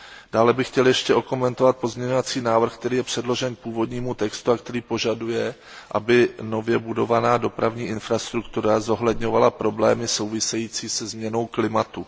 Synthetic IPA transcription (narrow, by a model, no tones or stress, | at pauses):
d̥aːlɛbɪxcɛljɛʃcɛʔoko̞mɛnt̪o̞vat̪̚po̞zmɲɛɲovat͡siːnaːvr̩xk̚t̪ɛɾiːjɛpr̝̥ɛdlo̞ʒɛnk̚puːvo̞dɲiːmut̪ɛkst̪uakt̪ɛɾiːpoʒadujɛ | ʔabɪno̞vjɛbudo̞vanaːdo̞pɾavɲiːʔɪnfɾast̪ɾukt̪uɾazo̞ɦlɛdɲo̞valapɾo̞blɛːmɪso̞wvɪsɛjiːt͡siːsɛzmɲɛno̞wklɪmat̪u